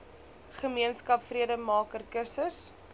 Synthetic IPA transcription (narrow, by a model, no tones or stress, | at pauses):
χəmiənskɐpfriədəmɑːkərkəsəs